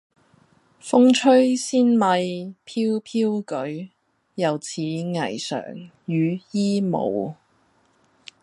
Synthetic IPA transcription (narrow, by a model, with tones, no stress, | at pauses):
fʊ˥ŋt͡ʃʰɵ˥ɥsiː˥nmɐ˧jpʰiː˥wpʰiː˥wkɵ˨˥ɥ | jɐ˨˧wt͡sʰiː˨˥ŋɐ˨˩jsœ̰ː˨˩ŋjyː˨˧jiː˥mo̰˨˧w